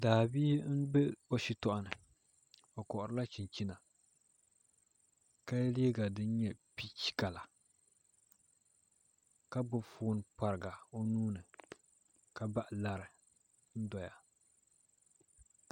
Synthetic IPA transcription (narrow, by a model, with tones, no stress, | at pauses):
daː˨biː˦n̩˦bɛ˦o˦ʃi˦tɔ˦˨ʔa˨nɨ˨ | o˨kɔ˨ʔʊ˨ɾɨ˦la˦t͡ʃi˨nt͡ʃi˦na˨ | ka˦leː˦ɡa˨dɨ˦n˦ɲɛ˦pi˦t͡ʃi̥˦ka˨la˨ | ka˦bʊ˦foː˦n˦pa˨ɾɨ˨ɡa˨o˦nuː˦nɨ˨ | ka˨ba˦ʔɪ˨la˦ɾɨ˨ | n̩˦dɔ˨ja̰˨